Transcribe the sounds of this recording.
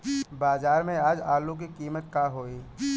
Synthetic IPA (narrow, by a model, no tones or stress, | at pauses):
baːzaːɾmẽaːd͡ʒaːlõk̬ikiːmət̪̚kaɦoːiː